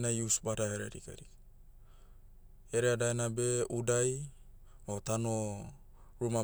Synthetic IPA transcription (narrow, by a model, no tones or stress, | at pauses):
najusbadaɦeɾeɾḭka̰ɾik | eɾeadaenabeudaj | ot̪ano | ɾuma